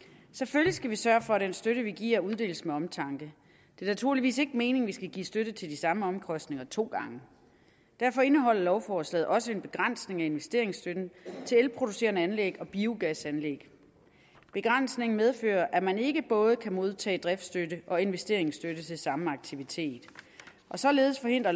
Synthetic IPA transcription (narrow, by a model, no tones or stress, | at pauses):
seføljisɡ̥æʋisɶɐfɒ̽æɾ̥ensd̥øɾəʋiɡ̥ḭɐuð̞ˠd̥e̝̰ːlsmeɒ̽mt͡sʰɑ̈ŋɡ̥ə | d̥e̝ɐnæt͡sʰuɐ̰liʋḭːse̝ɡ̥əme̝ːne̝ŋʋisɡ̥æɡ̥ḭːsd̥øɾət͡sʰe̝ld̥isɑ̈məɒ̽mkʰɒ̽sd̥ne̝ŋɐt͡sʰo̝̰ːɡ̥ɑ̈ŋə | d̥æɐfɒ̽e̝nəɦɒ̽l̰ɐlɒʊfɒːslɛ̰ːð̩ˠʔɒ̽səe̝nb̥e̝ɡ̥ʁan̰sne̝ŋæe̝nʋesd̥e̝ɐe̝ŋsd̥ød̥n̩t͡sʰe̝lelpʰʁo̝d̥use̝ːɐnəænleɡ̥ɒ̽b̥iuɡ̥æsænleɡ̥ | b̥e̝ɡ̥ʁan̰sne̝ŋn̩með̞ˠfø̰ːɐʔæmæne̝ɡ̥əb̥ɔ̽ːð̞̩ˠkʰæmo̝ð̞ˠt͡sʰɛ̰ːd̥ʁɛfd̥sd̥øɾəʔɒ̽e̝nʋesd̥e̝ɐ̰e̝ŋsd̥øɾət͡sʰe̝lsɑ̈məɑ̈ɡ̥̚t͡sʰiʋit͡sʰe̝̰ːd̥ | ʔɒ̽sɒ̽le̝ːð̞ˠsfɒ̽he̝n̰d̥ʁɐ